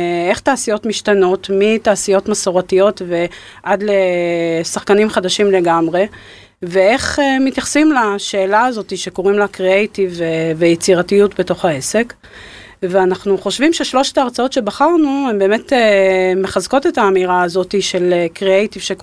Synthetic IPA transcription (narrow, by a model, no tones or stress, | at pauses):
e̞χt̪aːsijo̞tmiʃtano̞tmitaːsijo̞tmasoʁatijo̞tve̞ | ʔadlesaχkanimχadaʃimle̞ɡamʁe̞ | ve̞e̞χemitjaχsimlaʃe̞ːlaːzo̞tiʃe̞ko̞ʁimlakʁeejtivvejet͡siʁatijutbe̞to̞χaese̞k | veanaχnuχo̞ʃvimʃeʃlo̞ʃe̥taʁt͡sao̞tʃe̞baχaʁnue̞mbe̞ːme̞teme̞χazko̞te̞taːmiʁaːzo̞tiʃe̞lkʁeejtiv̥ʃek